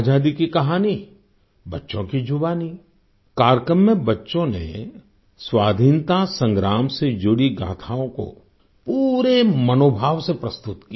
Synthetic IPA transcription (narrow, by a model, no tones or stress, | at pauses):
ad͡ʒaːd̪ikikɐɦaːni | bɐtːʃõkid͡ʒʱʊbaːni | kaːɾjkɾəmːẽbɐtːʃõnḛ | swaːd̪ʱiːnt̪asə̃ŋɡɾaːmsed͡ʒʊɽiɡa̰ːt̪ʰaːõko̰ | puːɾemɐnoːbʱaːʋsepɾɐst̪ʊt̪ki